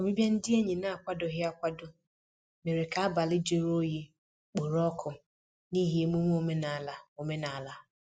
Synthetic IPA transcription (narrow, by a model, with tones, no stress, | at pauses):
o˨bi˦bja˦n̩˦dɪ˦e˦ɲi˨na˦a˨kʷa˦dʊ˨ɦɪ˦a˦kʷa˦dʊ˦ | me˨ɾe˨ka˨a˦ba˨lɪ˦d͡ʒe˨ɾo˦ji˦ | k͡po˨ɾɔ˦kʰʊ˨ | ni˦ɦi˦e˦mu˦ŋʷ˦o˦me˦na˨la˨o˨me˦na˨a˨la˦